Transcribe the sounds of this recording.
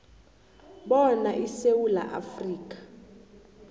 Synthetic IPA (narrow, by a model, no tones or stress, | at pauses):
ɓɔnaʔisewula̰ʔa̰friːk̬ʼḁ